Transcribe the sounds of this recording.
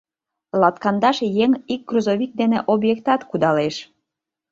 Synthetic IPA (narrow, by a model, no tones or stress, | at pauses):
lɑt̪kɑnd̪ɑʃjeŋik̚ːruzoβik̚d̪eneʔobjekt̪ɑt̪kud̪ɑleʃ